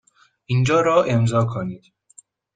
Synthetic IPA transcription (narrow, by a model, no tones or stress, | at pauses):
ʔind͡ʒɒːɾɒːʔemzɒːkʰoniːd̪̥